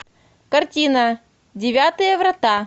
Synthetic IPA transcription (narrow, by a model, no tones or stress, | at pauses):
kɐrtʲinə | dʲɪvʲat̪ɨjəvɾɐt̪a